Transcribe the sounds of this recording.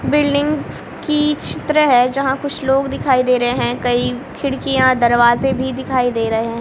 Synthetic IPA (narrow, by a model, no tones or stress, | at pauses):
bɪlɖɪ̃ŋɡz | kit͡ʃʰɪt̪ɾəɦɛd͡ʒɐɦãkʊt͡ʃʰloːɡd̪ɪkʰaːid̪eːɾɐɦeɦɛ̃kɐikʰɪɽkijãd̪ɐɾʋaːzẽbʱid̪ɪkʰaːid̪eːɾɐɦeɦɛ̃